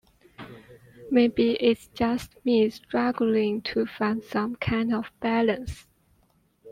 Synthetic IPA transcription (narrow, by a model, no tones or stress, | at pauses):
meɪbiʔɪtsd̥d͡ʒʌst̚mĩstɹ̥aɡl̩ɪ̃ŋtʰəfãndsʌ̃mkʰãɪ̃ndɔvb̥ælə̃ns